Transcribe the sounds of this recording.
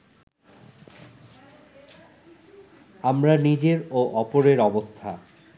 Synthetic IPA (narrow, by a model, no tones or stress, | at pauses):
amɾanid͡ʑeɾoʔɔpoɾeɾɔbost̪ʰa̰